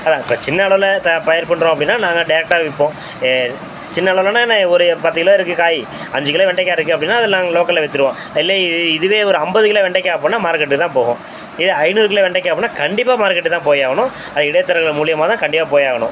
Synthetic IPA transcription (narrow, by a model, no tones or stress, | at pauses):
ɐðãːɪpːoːt͡ʃɪnːɐɐɭɐʋɯlɐt̪ɐpɐjɐɾpɐɳːɾõːɐp̬ːɐɽɪnːaːnaːŋɡɐɖɐɪɾɛk̚ʈaːʋɪpːõː | t͡ʃɪnːɐɐɭɐʋɯlɐnaːɛnːɐɔɾɯpaːɾt̪iːŋɡɐlaːɪɾɯkːɯkaːji | ɐɲd͡ʒɯkːɯɪlaːʋɛɳɖɐkːaːɾɪɾɯkːɯɐpːɐɽɪnːaːɐðɛlːãːloːkɐlːɐʋɛt̪ːɯɾɯʋõː | ɪlːɐɪðɯʋeːɔɾɯɐmbɐðɯkɪlɐʋɛɳɖɐkʲːaːɐpːoːnːaːmaːɾkːɐʈːɯt̪ãːpoːɣõː | ɪðɯɐɪnuːɾk̬ːɪlɐʋɛɳɖɐk̬ʲːaːpoːnːaːkɐɳɖɪpːaːmaːɾkːɛʈːɯt̪ãːpoːjaːɣɐnʊ̃ | ɐðɐɪɽɐjt̪ːɐɾɐɣɐɭmuːɭɪjɐmaːt̪ãːkɐɳɖɪpːaːpoːjaːɣɐɳʊ̃